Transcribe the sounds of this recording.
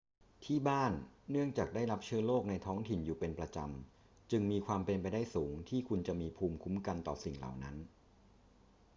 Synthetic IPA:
t̪ʰiː˥˩baː˥˩nːɯ˥˩əŋt͡ɕaː˨˩k̚daː˥˩jɾa˦˥p̚t͡ɕʰɯ˥˩əloː˥˩k̚na˧jt̪ʰɔː˦˥ŋt̪ʰi˨˩njuː˨˩pe˧npɾa˧t͡ɕa˧m | t͡ɕɯ˧ŋmiː˧kʰwaː˧mpe˧npa˧jdaː˥˩jsuː˩˦ŋt̪ʰiː˥˩kʰu˧nt͡ɕa˨˩miː˧pʰuː˧mkʰu˦˥mka˧nt̪ɔː˨˩si˨˩ŋla̰˨˩wna˦˥n

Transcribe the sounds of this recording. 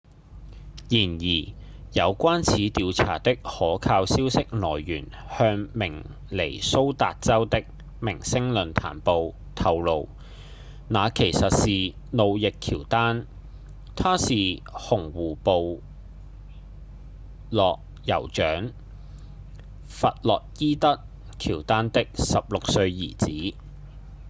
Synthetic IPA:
jiː˨˩njiː˨˩jɐ˨˧wkʷaː˥nt͡sʰiː˨˥t̪iː˧wt͡sʰa̰ː˨˩t̪ɪ˥k̚hɔː˨˥kʰaː˧wsiː˥wsɪ˥k̚lɔː˨˩jːyː˨˩n | hœː˧ŋmɪ˨˩ŋ | le˨˩jso˥wt̪aː˨t̚t͡sɐ˥wt̪ɪ˥k̚ | mɪ˨˩ŋsɪ˥ŋlɵ˨nt̪ʰa̰ː˨˩npo˨w | t̪ʰɐ˨wlo˨˧w | naː˨˧kʰe˨˩jsɐ˨t̚siː˨ | no˨˧wjɪ˨kʰiː˨˩wt̪aː˥n | t̪ʰaː˥siː˨hʊ˨˩ŋwuː˨po˨w | lɔː˨k̚ | jɐ̰˨˩wt͡ʃœː˨˥ŋ | fɐ˨t̚lɔː˨k̚jiː˥t̪ɐ˥t̚ | kʰiː˨˩wt̪aː˥nt̪ɪ˥k̚sɐ˨p̚lʊ˨k̚sɵ˧ɥjiː˨˩t͡siː˨˥

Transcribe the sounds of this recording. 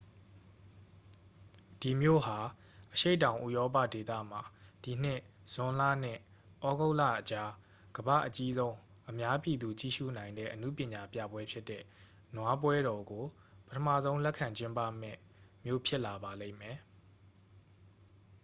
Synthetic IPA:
d̥i˨mjo̰˦˨ha˨ | ʔəʃe˦ɪtã˨ʊ̃ʔṵ˦˨jɔ˦p̬a̰˦˨de˨t̪ä̰˦˨m̥a˨d̥i˨n̥ɪ̃˦˨ | z̥ʊ̃˨la̰˦˨n̥ɪ̰̃˦˨ | ʔɔ˦ɡo˦ʊʔlä̰˦˨ʔət͡ɕa˦ | ɡ̥əba̰˦˨ʔət͡ɕi˦zõ˦ʊ̃ | ʔəmja˦pji˨d̪u˨t͡ɕḭ˦˨ʃṵ˦˨nã˨ɪ̃ndɛ̰˦ʔənṵ˦˨pjɪ̃˨ɲa˨pjä̰˦˨bwɛ˦pʰjɪ˦tːɛ̰˦˨ | nwa˦p̬wɛ˦ɾɔ˨ɡo˨ | pə̥tʰə˨ma̰˦˨zõ˦ʊ̃lɛ˦ʔkʰːã˨ɲt͡ɕɪ̃˦mpa̰˦˨m̥ɛ̰˦˨ | mjo̰˦˨pʰjɪ˦ʔla˨ba˨lẽ˦˨mɛ˨

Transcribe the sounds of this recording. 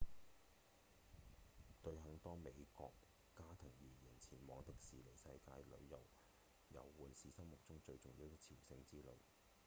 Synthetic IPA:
t̪ɵ˧ɥɦɐ˨˥ŋt̪ɔː˥me˨˧jkɔ̰ː˧kː | aː˥t̪ʰɪ˨˩ŋjiː˨˩ji˨˩nt͡sʰiː˨˩nmɔː˨˧ŋt̪ɪ˨k̚siː˨˩le˨˩jsɐ˧jkaː˧jlɵ̰˨˧ɥjɐ̰˨˩w | jɐ̰˨˧wːuː˨nsiː˨sɐ˥mmʊ˨˩k̚t͡sʊ˥ŋt͡ʃɵ˧ɥt͡sʊ˨˩ŋjiː˧wt̪ɛ˥t͡sʰiː˨˩wsɪ˧ŋt͡siː˥lo̰˨˧w

